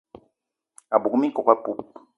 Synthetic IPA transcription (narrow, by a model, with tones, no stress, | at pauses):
a˨bu˨ku˨mi˦kɔ˨kwa˦pu˦p